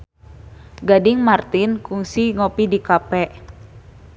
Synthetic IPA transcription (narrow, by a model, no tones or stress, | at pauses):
ɡadiŋmart̪inkuŋsiŋopidikapɛʔ